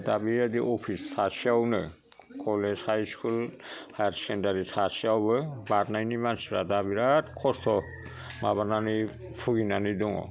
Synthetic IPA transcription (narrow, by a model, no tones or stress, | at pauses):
dabiɾadiʔɔpʰistʰasiawnɯ | kʰɔlɛzhajskʰulhaɾsɛndaɾitʰasiawbɯbatnajnimansiɾadabiɾatkʰɔstʰɔ | mabanani | pʰuɡinanidɔŋɔ̰